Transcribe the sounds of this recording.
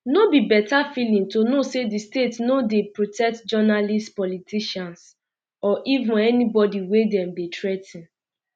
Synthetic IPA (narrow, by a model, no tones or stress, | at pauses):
nobibɛtafilĩŋtonosedistetnodepɹotɛk̚td͡ʒɔnalistpɔlitiʃãns | ɔʔivũnɛnibɔdiwedɛ̃mdetɹɛtĩn